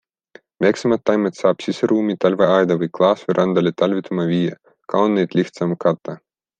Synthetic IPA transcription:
mʲɛjksamat̪ʲːajmɛt̪ʲsaːpʲsʲisʲɛɾʔuːmʲit̪alʲvaajd̪avɨklˠɑːsvʲɨɾʔand̪alʲit̪alʲvʲit̪ʰumavʲijɛ | kʰawnːɛjt̪ʲlʲixt̪samkat̪ːa

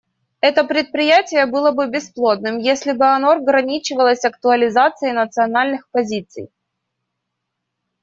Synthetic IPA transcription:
ɛt̪əpɾʲɪt̪̚pɾʲɪjætʲɪjəbɨlˠəbɨbʲɪsplˠod̪̚nɨmjesʲlʲɪbɨɐnoɐɡɾɐnʲit͡ɕɪvəlˠəsʲɐk̚t̪ʊəlʲɪzat̪sɨɪnət̪sɨɐnalʲnɨxpɐzʲit̪sɨ̰j

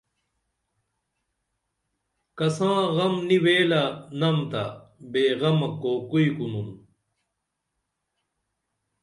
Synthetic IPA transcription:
kɐsãːɣɐmniweːlanɐmt̪abeːɣɐmɐkokuikunun

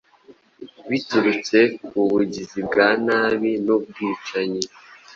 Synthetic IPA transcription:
βituɾut͡se̞kuβuɟizibɡaːnaːβinub̚ɡiːt͡ʃaɲi

